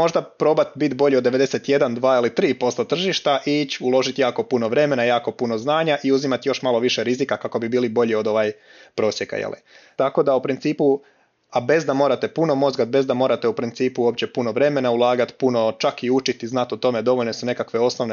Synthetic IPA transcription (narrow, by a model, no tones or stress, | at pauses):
mo̞ʒd̪apɾo̞bat̪bit̪bo̞ʎiod̪ːe̞ʋe̞d̪e̞set̪je̞d̪and̪ʋaːilit̪ɾiːpo̞st̪ot̪r̩ʒiʃt̪aʔiit͡ɕulˠo̞ʒit̪jaːko̞puno̞ʋɾe̞me̞najaːko̞puno̞znaːɲaʔiuzimat̪jo̞ʃmalˠo̞ʋiʃe̞ɾizikakako̞bibiːlibo̞ʎio̞d̪o̞ʋaːj | pɾo̞ːsje̞ka̰jḛlḭt̪ako̞d̪aupɾint̪siːpu | abe̞zd̪amo̞ːɾat̪e̞puno̞mo̞zɡat̪̚be̞zd̪amo̞ːɾat̪eupɾint̪siːpuoːpt͡ɕe̞puno̞ʋɾe̞me̞naulˠaːɡat̪puno̞t͡ʃakiut͡ʃit̪iznat̪ot̪o̞me̞d̪o̞ʋo̞ʎne̞sune̞kakʋe̞o̞sno̞ʋne